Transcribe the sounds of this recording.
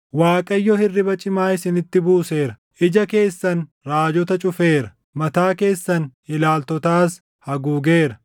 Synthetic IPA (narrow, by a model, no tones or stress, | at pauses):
waːkʼɐjːɔhɪrːɪbɐt͡ʃʼɪmaːɪsɪnɪt̪ːɪbuːse̞ːɾɐ | ʔɪd͡ʒɐke̞ːsːɐn | ɾaːd͡ʒɔt̪ɐt͡ʃʼʊfe̞ːɾɐ | mɐt̪aːke̞ːsːɐnɪlaːlt̪ɔt̪aːs | hɐɡuːɡeːɾɐ